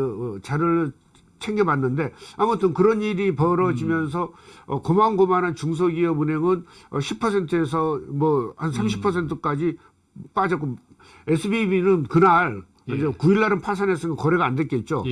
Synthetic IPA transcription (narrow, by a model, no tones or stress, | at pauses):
t͡ɕaɾɯɭ | t͡ɕʰeŋɡebanːɯnde̞amutʰɯnkɯɾʌniɾipʌɾʌd͡ʑimjʌns̬ʰʌːkomaŋɡomanant͡ɕuŋs̬ʰʌɡiʌbune̞ŋɯnʌɕʰipʰʌsʰe̞ntʰɯe̞s̬ʰʌmwʌhans̬ʰamɕʰipʰʌs̬ʰe̞ntʰɯk͈ad͡ʑi | p͈ad͡ʑʌk͈o | esʰɯbibinɯnkɯnaɭ | d͡ʑekuiɭːaɾɯnpʰas̬ʰanes͈ʰɯnŋɡakʌɾe̞ɡandwet̚k͈e̞t̚t͡ɕ͈o